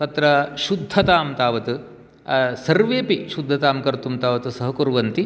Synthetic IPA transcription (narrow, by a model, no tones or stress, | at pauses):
t̪ɐt̪ɾɐʃud̪ʱːɐt̪aːmt̪aːʋɐt̪u | sɐɾʋeːpiʃud̪ʱːɐt̪aːmkɐɾt̪umt̪aːʋɐt̪usɐɦɐkuɾʋɐnt̪i